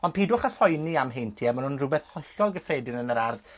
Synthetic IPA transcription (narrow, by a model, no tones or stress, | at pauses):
ɔnpiːdʊχəfɔjniamɦejntʰiːamanhunrʊbɛθhʰɔɬɔlˠɡəfreːdɪnənəɾarð